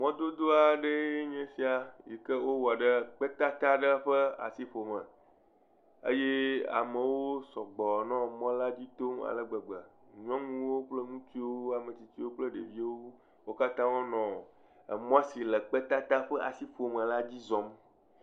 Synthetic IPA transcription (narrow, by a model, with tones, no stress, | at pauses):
mɔ̃˦d̪o˦d̪o˦a˨ɖe˦e˦ɲɛ̃˦si˦a˨ji˨kə˦wo˦wa˨ɖə˦k͡pə˦t̪a˦t̪a˦ɖə˦ɸə˦a̰˨si˦ɸo˨mə̃˨ | ə̰˦je˦a̰˨mə̃˨wo˦sɔ˨ɡ͡bɔ˨nɔ̃˦mɔ̃˦la˦d͡ʑi˦t̪o˦ma̰˨lə˨ɡ͡bə˨ɡ͡bə˨ɲɔ̃˦ŋũ˦wo˦k͡plə˦ŋũ˦t̪i˦wo˦a˨mẽ˨t͡ɕi˨t͡ɕi˦wo˦k͡plə˦ɖḛ˨vi˦e˦wo˦ | wo˦ka˦t̪ã˦wo˦nɔ̰̃˨ | mɔ̃˦si˨lə˨k͡pɛ˦t̪a˦t̪a˦ɸə˦ʔa̰˨si˦ɸo˨mə̃˨la˦d͡ʑi˦zɔ̃˨m